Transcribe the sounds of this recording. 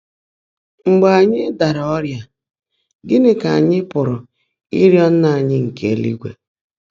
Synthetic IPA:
ŋ͡m̩˨ɡ͡ba˨a˨ɲɪ˦da˨ɾa˨ɔ˦ɾja˦ | ɡɪ˦nɪ˦ka˨a˨ɲɪ˦pʊ˨ɾʊ˨ | ḭ˦ɾjɔ˦n̩˦na˨a˨ɲɪ˦ŋ̩˨kʰe˨lḭ˦ɡʷḛ˨

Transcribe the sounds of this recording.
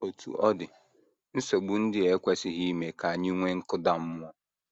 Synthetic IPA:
o˨tʰṵ˨ʔɔ˦dɪ˨ | n̩˦so˨ɡ͡bu˨˦n̩˦dɪ˦e˨kʷe˦sɪ˦ɦi˦me˨ka˨ɲɪ˦ŋʷe˦ŋ̩˦kʊ˦da˨m̩˦m˦ɔ˦

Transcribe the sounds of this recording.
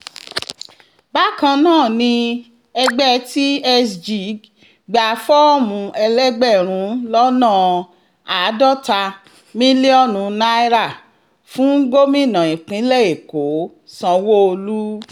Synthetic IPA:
ba˦kã˧nãː˦˨nĩ˧ | ɛ˧ɡ͡bɛ˦˧ti˦ɛ˦sd͡ʒi˨˦ | ɡ͡ba˨˧fɔ˦mũ˧ɛ˧lɛ˦ɡ͡bɛ˦˨ɾ̃ũ˨˦lɔ˦nãː˦˨ | a˨˦dɔ˦˨ta˧ | mĩ˦li˦ɔ˦˨nũ˨˧na˦i˦ɾa˦˨ | fũ˦ɡo˦mĩ˦˨nã˨ĩ˨k͡pĩ˨˦lɛ˦˨e˨ko˨˦ | sã˧wo˦o˧lu˦

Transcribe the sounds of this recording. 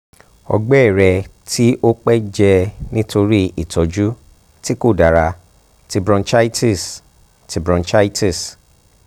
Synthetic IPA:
ɔ̰˧ɡ͡bɛ˦ɛ˦˨ɾɛ˧ | tʰi˦ʔo˦k͡pɛ˦d͡ʒɛ˧nĩ˦to˧ɾi˦i˨tɔ˨d͡ʒu˦ | ti˦ko˦˨da˨ɾa˧ | ti˧bɾɔ̃˧nt͡ʃa˦i˦ti˦˨s | ti˧bɾɔ̃˧nt͡ʃa˦i˦ti˦˨s

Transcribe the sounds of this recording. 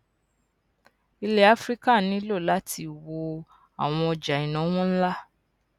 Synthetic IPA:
i˧le˦a˦fɾi˦ka˦˨nĩ˨˦lo˦˨la˦tʰi˧˦˨wo˧ | a˨w̃ɔ̃˧ɔ˧d͡ʒa˨ĩ˨nã˨˦w̃ɔ̃˦n̩˦la˦

